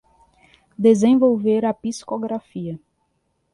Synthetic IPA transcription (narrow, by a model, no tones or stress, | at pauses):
d̪ezẽvowveɾapiskoɡɾafiɐ